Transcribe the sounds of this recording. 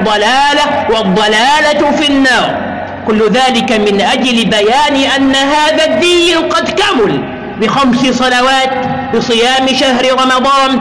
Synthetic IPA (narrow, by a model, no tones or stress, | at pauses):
d̪ˤːɑlaːlawɑd̪ˤːɑlaːlafinːɑːɾˤ | kʊlːʊðaːlɪkamɪnʔad͡ʒlɪbajaːnɪʔanːaɦaːðaðːijlqɑd̪kamʊl | bɪxamsɪsˤɑnawaːt̪bɨsˤɨjaːmɪʃahɾɪɾɑmɑd̪ˤɑːn